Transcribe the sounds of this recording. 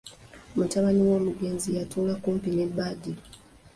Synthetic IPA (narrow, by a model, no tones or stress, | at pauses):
omutaβaniwo̞ːmuɡe̞ːnzijatuːlakuːmpinebadi